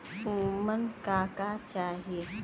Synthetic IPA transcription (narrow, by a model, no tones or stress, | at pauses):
umənkakat͡ʃaːɦe